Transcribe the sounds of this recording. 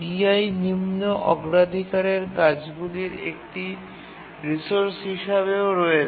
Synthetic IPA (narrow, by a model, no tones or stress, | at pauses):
biajnimnoʔɔɡɾad̪ʱikaɾeɾkad͡ʑɡuliɾḛk̚ʈi | ɾisoɾsɦiʃaβeoɾɔe